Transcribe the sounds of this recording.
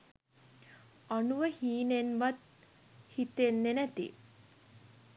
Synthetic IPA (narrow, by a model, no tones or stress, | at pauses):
anuʋəhiːnenʋat̪̚ | hit̪enːenæt̪ḭ